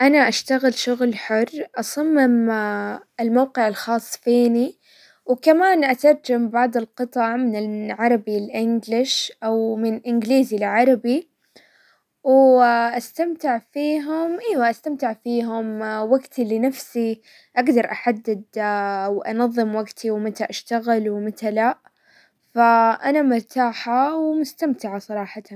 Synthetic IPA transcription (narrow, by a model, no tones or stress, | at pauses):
ʔanaʔaʃt̪aɣɪlʃʊɣlħʊrːʔɑsˤɑmːɪm | ɪlmawqɪʕɪlxɑːsˤːfiːni | wkamaːnʔat̪ɑɾˤd͡ʒambɑʕd̪ˤɪlqɨt̪ˤɑʕmɪnɪʕɑɾˤɑbilʔɪnɡlɪʃʔawmɪnʔɪnɡliːzilʕɑɾˤɑbi | wʔast̪amt̪ɪʕfiːɦʊmʔeːwaʔast̪amt̪ɪʕfiːɦʊmwaɡt̪ʰilːinafsi | ʔaɡd̪ɑɾˤʔaħad̪ːɪd̪wʔɑ̰nɑðˤːɨmwaɡt̪ʰiwmat̪aʔaʃt̪aɣɪlwɪmɪat̪alaʔ | faʔanamʊɾˤt̪aːħawmʊst̪amt̪ɪʕasˤɑɾˤɑːħɑt̪an